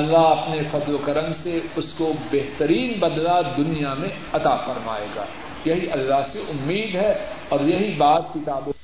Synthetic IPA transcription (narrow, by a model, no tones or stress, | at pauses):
lːaɦɐpnefɐd̪lokɐɾəmseʊskobeɦt̪əɾiːnbɐd̪lad̪ʊnijamẽ | ɐt̪aːfɐɾma̰ːḛːɡa̰ː | jɐɦiʔɐlːaɦseʔʊmːiːd̪ɦɛ | ɔːɾjɐɦibaːt̪̚kɪt̪aːbʊ